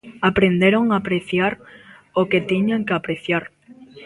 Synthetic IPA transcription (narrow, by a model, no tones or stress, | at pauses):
apɾend̪eɾoŋaːpɾeθjaɾ | oket̪iɲaŋkeapɾeθjaɾ